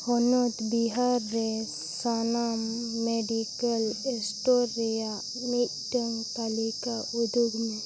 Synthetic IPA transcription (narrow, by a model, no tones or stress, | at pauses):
hɔnut̪biɦaɾːes | sanamːeɖikəlesʈoɾːeja | mi | ʈəŋɡt̪alikaud̪ʱuɡmẽ